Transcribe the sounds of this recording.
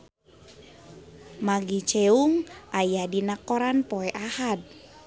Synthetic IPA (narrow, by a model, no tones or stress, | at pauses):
maɡit͡ʃɛuŋʔajadinakɔɾanpɔɛʔahad̪̚